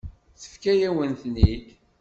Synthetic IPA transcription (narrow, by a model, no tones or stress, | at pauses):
θə̥fkæjæwənθnik